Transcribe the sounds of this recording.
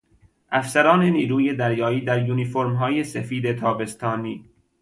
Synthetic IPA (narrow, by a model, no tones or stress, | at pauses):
ʔæfsæɾɒːneniːɾuːje̞d̪æɾjɒːiːd̪æɾjuːnifoɾmɦɒːje̞sefiːd̪et̪ʰɒːbe̞st̪ʰɒːniː